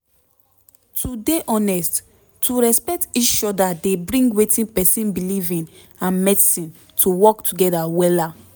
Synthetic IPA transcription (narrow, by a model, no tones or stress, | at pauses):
tʰudeʔɔ̃nɛst | tːuɹɛspɛk̚tit͡ʃɔdadebɹĩŋɡwetĩnpɛsĩnbilivĩn | ãnmɛdsĩn | tuwɔktʰuɡɛdawɛla